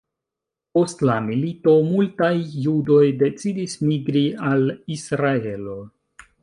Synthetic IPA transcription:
po̞stlamilito̞multajːudo̞jde̞t͡sidismiɡɾialisɾae̞lo̞

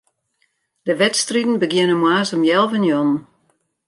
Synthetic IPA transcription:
dəʋɛtstridn̩bəɡjɪnəmwaːsəmjɛlˠvənjɔnn̩

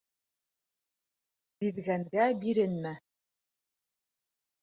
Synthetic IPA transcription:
biðɡæŋɡæbiɾɘnmæ

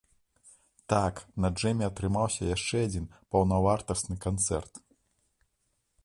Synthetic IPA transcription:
t̪aknɐʐɛmʲɛɐt̪ɾɨmawsʲɐjaʂt͡ʂɛad͡zʲinpɐwnavart̪ɐst̪nɨkant̪sɛ̰rt̪

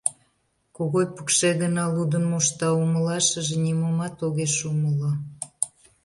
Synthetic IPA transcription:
koɣojpu̥kʃeɣənɑlud̪ənmoʃt̪ɑuməlɑʃəʒenʲimomɑt̪oɣeʃuməlo

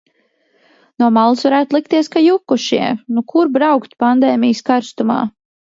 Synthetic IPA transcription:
nuɔmalˠsvaɾæːt̪lˠik̚t̪iɛskajukːuʃḭɛnukʰuɾbɾawkt̪pand̪ɛːmijskaɾst̪uma̰ː

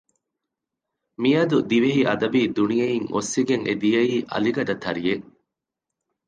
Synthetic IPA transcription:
mijɐd̪ud̪iʋeɦiʔɐd̪ɐbiːd̪unijɐiŋo̰sːiɡeŋʔḛd̪ijɐiːʔɐ̰liɡɐɖɐt̪ʰɐɾije

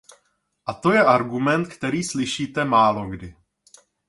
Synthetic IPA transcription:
ʔat̪o̞jɛʔaɾɡumɛnt̪kt̪ɛɾiːslɪʃiːt̪ɛmaːlo̞ɡdɪ

